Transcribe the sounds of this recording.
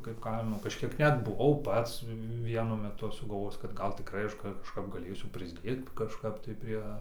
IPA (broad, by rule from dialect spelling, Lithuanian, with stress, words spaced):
kɐɪp ˈkɐɪmoː kɐʃʲˈkʲiɛk ˈnʲɛt bʊˈʋɐʊ ˈpɐts ˈʋʲiɛnʊ mʲɛˈtʊ ɐʃ sʊɡɐlˠˈʋoːjɪs kɐt ˈɡɐlˠ tʲɪkˈrɐɪ ˈɐʃ kɐʃˈkɐp ɡɐˈlʲeːsʲʊ pʲrʲɪzʲˈdʲeːt kɐʃˈkɐp tɐɪ ˈpʲrʲiɛ